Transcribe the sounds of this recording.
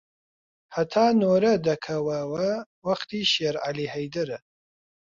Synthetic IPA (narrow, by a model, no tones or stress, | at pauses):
hɐt̪ʰaːnoːɾɐd̪ɐkʰɐwɐwɐwɐχt̪ʰiːʃeːɾʕa̰liːhɐjd̪ɐɾɨ